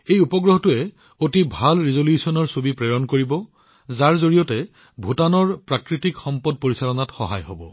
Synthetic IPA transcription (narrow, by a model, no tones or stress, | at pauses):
ejupɔɡɹɔɦɔtʊɛ | otibʱalɹizoljusɔnɔɹsobipɹɛɹɔnkoɹibɔ | zaɹzoɹijɔtɛ | bʱutanɔɹpɹakɹitikxɔmpɔd̚poɹisalɔnatxɔ̰ɦa̰jɦo̰bɔ